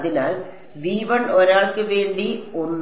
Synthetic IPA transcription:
ðinaːl | ʋiːʋɐɳoɾaːɭkɨʋe̞ːɳɖionː

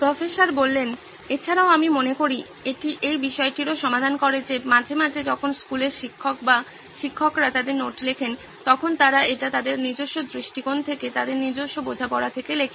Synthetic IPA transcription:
pɾofesaɾbolːen | et͡ɕʰaɾaoamimonekoɾi | eʈiʔejbiʃɔeʈiɾoʃɔmad̪ʱankoɾed͡ʑemad͡ʑʱemad͡ʑʱed͡ʑɔkʰonskuleɾʃikʰːokba | ʃikʰːokɾat̪ad̪eɾnoʈlekʰen | t̪ɔkʰont̪aɾaeʈat̪ad̪eɾniɾd͡ʑoʃːod̪ɾiʃʈikont̪ʰeket̪ad̪eɾniɾd͡ʑoʃːobod͡ʑʱapɔɾat̪ʰekelekʰe

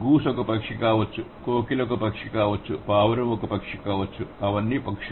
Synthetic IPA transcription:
ɡuːsɔkɐpɐkʂikaːʋɐt͡ʃːukoːkilokɐpɐkʂikaːʋɐt͡ʃːupaːʋɐɾɐmɔkɐpɐkʂikaːʋɐt͡ʃːuɐʋɐnːipɐkʂi

